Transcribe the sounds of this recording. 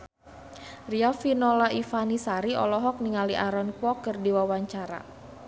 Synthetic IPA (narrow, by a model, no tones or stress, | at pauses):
riafinɔlaifanisaɾiɔ̰lɔɦɔk̚niŋaliʔaɾɔnkwɔkərdiwawaɲt͡ʃaɾa̰